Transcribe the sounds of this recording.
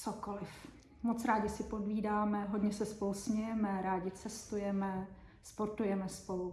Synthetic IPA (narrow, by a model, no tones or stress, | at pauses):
t͡sokolɪf | mot͡sɾaːɟɪsɪpo̞dviːdaːmɛɦo̞ɟɲɛsɛspo̞lusmɲɛjɛmɛɾaːɟɪt͡sɛst̪ujɛmɛ | spo̞ɾt̪ujɛmɛspo̞lu